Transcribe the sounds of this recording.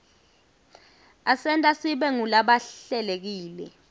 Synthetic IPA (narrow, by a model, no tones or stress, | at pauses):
asɛntʼasiɓɛŋulaɓaɛlek̬iːlɛ̰